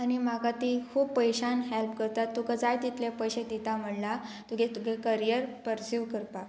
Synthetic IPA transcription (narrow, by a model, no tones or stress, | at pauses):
añimaɡat̪iːkʰuːbpəjɕanɦɛlpkəɾt̪at̪ːukad͡zajt̪it̪lepəjɕẽt̪it̪am̤əɽla | t̪uɡet̪uɡʱekəɾijəɾpəɾsuʋkəɾpa